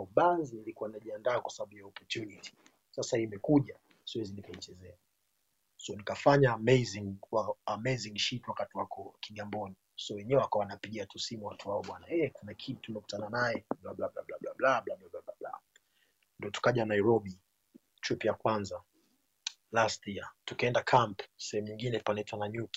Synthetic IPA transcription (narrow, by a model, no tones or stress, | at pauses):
uɓanzinilikuwaninaʄiandaːkwasaɓaɓujaɔpɔtuniti̥ | sasaimɛkuʄa | siwɛzinikait͡ʃɛzɛa | sɔnikafaɲamɛziŋwaamɛziŋʃitwakatiwakɔkiɠambɔni | sɔwɛɲɛɛwakawanapiɠiatusimuwatuaɔɓwanaɛkunakʰitumɛku̥tananajɛblablablablablablaɓlablablablabla̰ | ndiɔtu̥kaʄanaiɾɔɓi | tʰipijakwanza | lastiatukiɛndakʰampsɛhɛmuɲiŋɡinɛpanaitwanaɲuki̥